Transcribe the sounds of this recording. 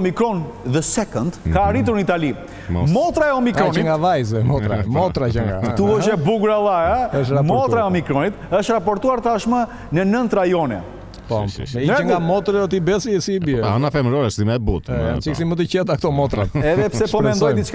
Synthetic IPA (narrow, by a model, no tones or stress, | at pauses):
ɔmikɾɔn | ðəsɛkɔnd̪kaːɾit̪̬uɾnit̪ali | mɔt̪ɾaɛɔmikɾɔnŋɡavajzɛmɔt̪ɾamɔt̪ɾat͡ʃɛŋɡat̪uəʃɛbuɡuɾalˠajaəʃɾamɔt̪ɾaɛɔmikɾɔnit̪əʃt̪ɾapɔɾt̪uaɾt̪aʃma | nənənt̪ɾajɔnɛ̰ | pɔ̰ɛŋɡamɔt̪ɾɔt̪ibɛsisibiɛanafɛmɾɔɾəʃsimɛbut̪ɛnt͡ʃiksimuət̪̬əcɛt̪akt̪ɔmɔt̪ɾa̰t̪ɛððɛpsɛpɔmɛnd̪ɔjd̪it͡ʃk